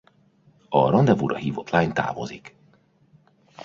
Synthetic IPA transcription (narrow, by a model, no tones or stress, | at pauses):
ɒrɒnd̪ɛvuɾʔɒhiːvot̪laːɲt̪a̰ːvo̞̰zik